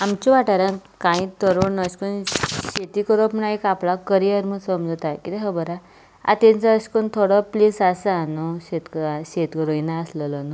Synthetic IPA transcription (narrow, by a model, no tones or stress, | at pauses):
amt͡ɕiʋaʈaɾãnkãĩt̪əɾonəɕkunɕet̪ikəɾopɳaikapɭakəɾijəɾməsəmd͡zʱt̪akit̪eɦəbəɾa | a̰t̪ent͡səːskunt̪ʰoɽɔplisasaːnuɕet̪kɕet̪kəɾoinaəsləlɔnu